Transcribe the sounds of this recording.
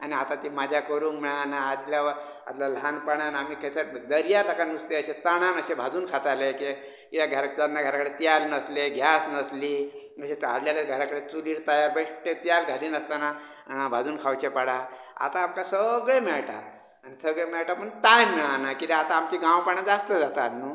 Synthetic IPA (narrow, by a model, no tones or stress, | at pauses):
aniat̪at̪imad͡ʑʱjakəɾuːŋkmɛɭanaːt̪ljaʋəɾ | a̰t̪lalanpəɽ̃anamiːkʰəsəd̪əɾjat̪akanust̪eəɕet̪əɽ̃anəɕebʱad͡zuːnkʰat̪aleki | kit̪aɡʱəɾak̚t̪anːaɡʱəɾakəɽet̪jalnəsleɡʱjasnəsliː | əɕet̪a̰ɽljaləɾɡʱəɾakəɽet͡suliɽt̪ajaɾbeʂʈet̪jalɡʱaliːnəst̪ana | bʱad͡zuːnkʰawt͡ɕepaɽa | a̰t̪aːmkasəɡɭemɛɭʈa̰ | anisəɡɭemɛɭʈapəɳt̪ajmɛɭanakit̪eat̪aːmt͡ɕiːɡãwpaɳ̃ãd͡zast̪əd͡zat̪at̪nu